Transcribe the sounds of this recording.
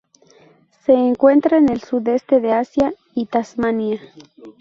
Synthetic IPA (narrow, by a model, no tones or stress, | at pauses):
se̞ːŋkwe̞nt̪ɾaene̞lsuðe̞st̪e̞ðeasja | it̪asmania